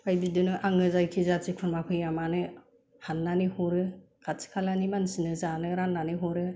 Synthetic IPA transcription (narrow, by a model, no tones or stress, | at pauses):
pʰajbidɯnɯʔaŋɯzajkʰizazikʰunmapʰɯjamanɯ | hanːanihɔɾɯ | kʰatsʰi̥kʰalanimansinɯzanɯɾanːanɯɦɔɾɯ